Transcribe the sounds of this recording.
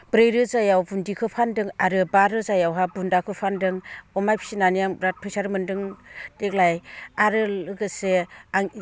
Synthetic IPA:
bɾejɾɯzajawbundikʰɯpʰandɯŋaɾɯbaɾɯzajawɦabundakʰɯpʰandɯŋɔmajpʰi̥sinanijaŋɾat̚pʰɯjsaɾɯmɯndɯŋd̥ek̚lajaɾɯɯɡɯseaŋ

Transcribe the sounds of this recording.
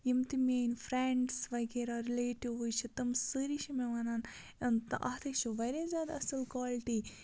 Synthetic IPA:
jimt̪imʲeːnfɾeɳɖsʋɐkeɾaːɾileːʈiʋujt͡ʃʰit̪ɐmsɨːɾiʃimeʋɐnaːn | ɐnt̪ʔɐːt̪ʰɐkt͡ʃʰuʋɐɾezʲjaːd̪aɐsɐlkaːlʈiː

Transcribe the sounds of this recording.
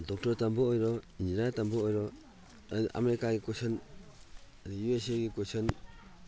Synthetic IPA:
dɔk̚tɔɾtambɔɔjɾɔind͡ʒiɾatambɔɔjɾɔ | ʔa̰meɾikaɡikosɔn | adijues̬ieɡikosɔn

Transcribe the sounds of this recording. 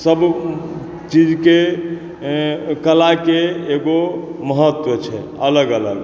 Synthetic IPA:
səb | t͡ʃid͡ʒke | kəlakeːɡoməɦət̪wət͡ʃʰɛələɡələɡ

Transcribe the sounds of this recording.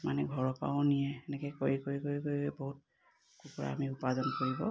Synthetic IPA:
manɛɡʱɔɹɔpa̰wʊ̃nijɛːnɛkɛkoɹikoɹikoɹikoɹiɛboɦut̚ | kupɔɹa̰a̰miupazɔnkoɹibɔ̰

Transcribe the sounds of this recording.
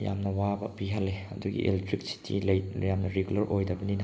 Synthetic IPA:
ja̰mnɐwabɐ̰piɦɐlːeɐ̰duɡḭʔḛltɾik̚si̥tʰːḭlɐjjamnɐɾeɡulɐɾʔojdɐbɐninɐ

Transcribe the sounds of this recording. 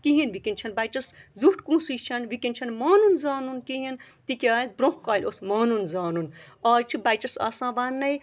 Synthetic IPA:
kiɦinʋikʲint͡ʃʰɐnbɐjt͡ʃɐszuʈkũːsɨt͡ʃʰɐnʋikʲinʲt͡ʃʰɐnmaːnunzaːnunkiɦin | t̪ikʲaːzʲbɾõhkaːlʲosmaːnunzaːnunaːt͡ʃʰibɐjt͡ʃɐsa̰ːsãːʋaːnːɐj

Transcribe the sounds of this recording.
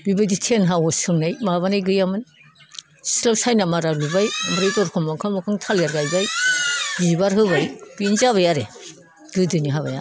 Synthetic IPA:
bibajditʰenɦawɔsɯŋnajmaβanajɡɯjamɯn | silawsajnamaɾalubajamɾɯjtɔɾkʰɔmakʰɯmɔkʰɯŋtʰaljaɾɡajzajbibaɾɦɯbajbinzaβajaɾe | ɡɯdɯniɦaβa̰ja̰

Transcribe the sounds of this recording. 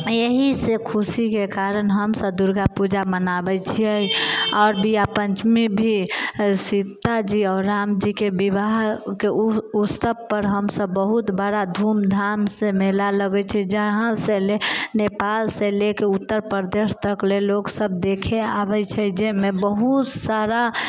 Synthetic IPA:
eɦisekʰusikekaɾənɦəmsəb̚d̪uɾɡapud͡ʒamənabɛt͡ʃʰiəiɔːɾbijapənt͡ʃmibʱisit̪ːad͡ʒiɔːɾːamd͡ʒikebibaɦkeust̪əbpəɾɦəmsəbːəɦut̪bəɽad̪ʱumd̪ʱamsẽmelaləɡɛt͡ʃʰɛd͡ʒəɦãsẽlenepalsẽlekeut̪ːəɾpəɾd̪eʃt̪əkleloksəb̚d̪ekʰeabɛt͡ʃʰɛd͡ʒemebəɦut̪saɾa

